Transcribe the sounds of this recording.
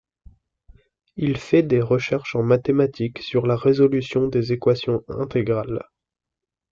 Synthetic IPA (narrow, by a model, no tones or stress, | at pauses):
ilfɛd̪eʁəʃɛʁʃɑ̃mat̪emat̪ʰiksyʁlaʁezɔlysjɔ̃d̪ezekwasjɔ̃ɛ̰̃t̪eɡʁal